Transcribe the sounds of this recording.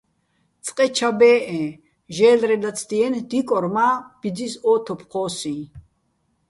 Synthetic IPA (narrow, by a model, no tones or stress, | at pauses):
t͡sʼqʼɛt͡ʃʰabɛːʔɛ̃ː | ʒɛːlɾɛlat͡sʰd̪iɛnd̪ikʼɔɾmaːb̥id͡zisɔːt̪ʰɔpʰqʰɔːsĩː